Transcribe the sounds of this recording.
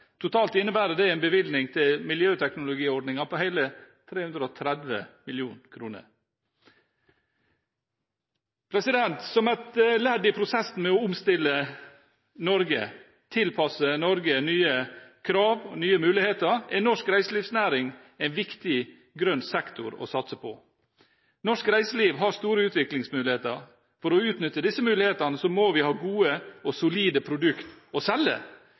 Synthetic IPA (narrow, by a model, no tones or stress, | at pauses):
t̪ʰʊt̪ʰɑːlt̪ɪnːəbæːɾəd̪ɛæɪnbəʋɪld̪nɪŋt̪ʰɪlmɪljøːt̪ʰɛknʊlʊɡiːɔɖnɪŋɑpʰɔhæɪlət̪ʰɾeːhʉnd̪ɾəɔt̪ʰɾɛd̪ʋə̰mɪljuːnkʰɾuːnə̰ɾ | pʰɾɛsɪd̪ɛnt̪sɔmæt̪læɖɪpʰɾʊsɛsn̩mɛɔʊmst̪ɪlːə | nɔɾɡə̰ | t̪ʰɪlpʰɑsənɔɾɡənyːəkʰɾɑːʋɔnyːəmʉːlɪheːt̪əɾænɔʂkɾæɪsəliːʋsnæːɾɪŋ | æɪnʋɪkt̪ɪ | ɡɾœnsɛkt̪ʰʊ̰ɾɔ̰sɑt̪səpʰɔ̰ | nɔʂkɾæɪsəliːʋɦɑɾst̪uːɾəʉːt̪ʋɪklɪŋsmʉːlɪheːt̪əɾ | fɔɾɔʉːt̪nʏt̪ːəd̪ɪsːəmʉːlɪheːt̪ɑnəsɔmoːʋɪhɑːɡuːəɔsʊliːd̪əpʰɾʊd̪ʉkt̪ɔsɛlːə̰